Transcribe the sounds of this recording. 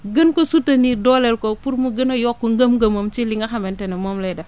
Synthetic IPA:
ɡənkosutːɐnidɔlɛlkopuɾmuɡənɐjɔkːoŋɡɐmɡɐmɐmt͡ʃiliŋɡɐxɐmɛntɛnɐmomlɛdɐ

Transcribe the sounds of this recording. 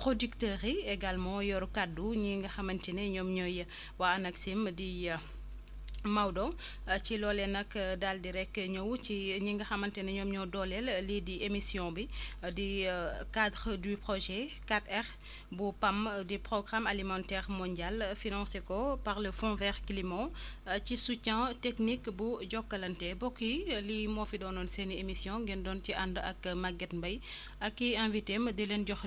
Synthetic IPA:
pχodyktəʁiɛɡalmɑ̃jɔɾkadːuɲiŋɡɐxɐmɐntinɛɲɔmɲɔjə | waɐnɐksimdi | mawdɔ | t͡ʃilɔːlɛnɐkdaldiɾɛkːɲɐwt͡ʃiɲiŋɡɐxɐmɐntɛnɛɲɔmɲɔdɔlɛllidiemisjɔ̃bidikad̪ʁdypʁɔʒɛkatɛʁ | bupamdipʁɔɡʁamalimɑ̃ntɛʁmɔ̃nɟalfinɑ̃sekɔpaʁləfɔ̃vɛʁklimɔ̃cisucɛ̃tɛknikbuɟɔkːɐlɐntɛbɔkːilimɔfidɔːnɔnsɛniemisjɔ̃ŋɡɛndɔntiʔandɐ̰kmaɡɛtbɐj | ɐkːiɛ̃vitemɐdilɛnɟɔx

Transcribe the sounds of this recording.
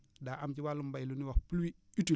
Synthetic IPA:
daʔamt͡ʃiwalumbailuniwapulwiitu

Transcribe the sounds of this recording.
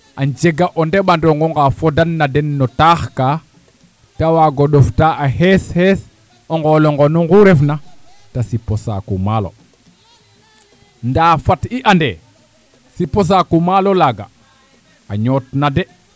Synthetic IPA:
ʔaɲd͡ʒeɡaʔondeɓandoŋɡɔŋɡafodanːadɛnːɔtaːxkaː | tawaɡoɗoftaahesheːs | oŋɡɔloŋɡonuŋɡuɾefna | tasipːosa̰kṵmaːlo̰ | ndaːfatiʔande | sipos̬akumalolaɡa̰ | aɲɔtnade

